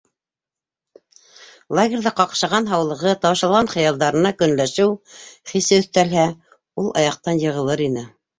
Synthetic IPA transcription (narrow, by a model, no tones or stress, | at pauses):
lˠaɡʲerðæqɑqʃɑʁɑnɦɑwlˠɤ̆ʁɤt̪ɑwɤ̆ʃɑlˠʁɑnχɤ̆jɑlˠd̪ɑɾɤ̆nɑkɵ̆nlæʃɘwχisɘɵ̆θt̪ælɦæ | ulˠɑ̰jɑq̚t̪ɑnjɤ̆ʁɤ̆lˠɤɾinɘ